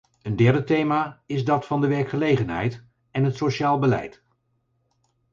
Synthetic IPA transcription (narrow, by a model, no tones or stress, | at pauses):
əndɛɹdətejmaːɪzdɑtfɑndəʋɛɹkχəlejχənɦɛ̰jt | ɛnɦətsoʃaːlˠbəlɛ̰jt